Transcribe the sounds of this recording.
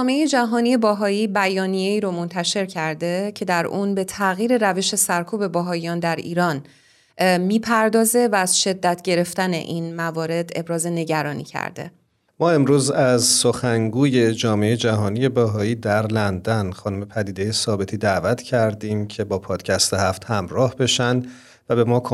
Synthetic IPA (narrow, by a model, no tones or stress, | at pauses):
ɒmeejed͡ʒæɦɒːnije̞bæɦɒːiːbæjɒːnijeiːɾomo̞nt̪ʰæʃe̞ɾcʰæɾd̪e̞cʰe̞d̪æɾʔuːnbe̞t̪ʰæɣiːɾe̞ɾæve̞ʃe̞sæɾkʰuːbe̞bæɦɒːijɒːnd̪æɾḭːɾɒːn | miːpʰæɾd̪ɒːze̞væːz̥ʃe̞d̪ːæt̪ʰɟe̞ɾe̞ft̪æne̞̰ʔinmævɒːɾe̞d̪e̞bɾɒːze̞ne̞ɟæɾɒːnḭːcʰæ̰ɾd̪ḛ | mɒːe̞mɾuːzæzsoxæŋɡuːje̞d͡ʒɒːmeejed͡ʒæɦɒːnije̞bæɦɒːiːd̪æɾlænd̪ænxɒːnume̞pʰæd̪iːd̪ejesɒːbe̞t̪ʰiːd̪ævæt̪ʰcʰæɾd̪iːmcʰe̞bɒːpʰɒːd̪̥cʰæst̪ehæft̪hæmɾɒːhbe̞ʃænd̪ | væbe̞mɒːkʰ